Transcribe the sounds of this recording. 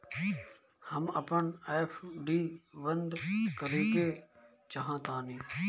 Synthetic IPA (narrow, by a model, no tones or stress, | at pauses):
həməpəɳeːpʰɖiːʋənd̪kəɾiːke | t͡ʃəɦãːt̪ãːnĩː